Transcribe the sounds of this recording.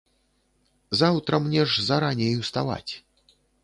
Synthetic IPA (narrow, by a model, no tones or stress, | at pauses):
zawt̪ɾɐmnʲɛʐzaɾanʲɛjiwst̪a̰va̰t͡sʲ